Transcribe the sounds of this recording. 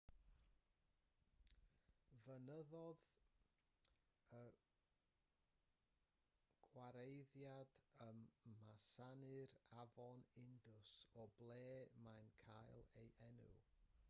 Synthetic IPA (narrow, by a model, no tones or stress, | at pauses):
vənəðɔð | ə | ɡ̥waɾejðjad̥əmːasanɨɾavɔnɪndʊsɔblˠeːmankʰajlˠejʔɛnṵ